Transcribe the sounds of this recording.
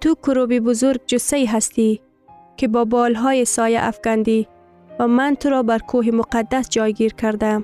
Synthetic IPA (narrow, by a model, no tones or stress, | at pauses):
t̪ʊkʊɾobibʊzʊɾɡ̚d͡ʒʊsaiɦast̪i | kɪbɔːbɔːlɦɔːjesɔːja̰ʔafɡ̥and̪i | vamant̪ʊɾɔbaɾkʰoɦimʊqad̪ːasd͡ʒɒjɡiɾkʰaɾd̪am